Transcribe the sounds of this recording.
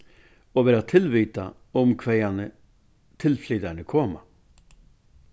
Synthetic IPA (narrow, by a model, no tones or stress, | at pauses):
oːʋeːɾɑt̪ʰɪlʋiːt̪ɑ | ʊmkʰʋɛɪɑnə | t̪ʰɪlflyːd̪æɳəkʰɔːmɑ̰